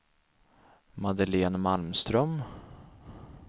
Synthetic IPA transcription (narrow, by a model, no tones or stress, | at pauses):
mad̪əleːnmalmst̪ɾœm